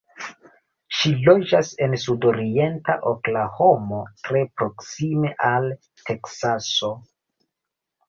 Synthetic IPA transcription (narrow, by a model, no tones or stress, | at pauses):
ʃilo̞d͡ʒase̞nsudo̞ɾie̞ntaʔoklaho̞mo̞tɾe̞pɾo̞ksime̞ʔal | tʰe̞ksaso̞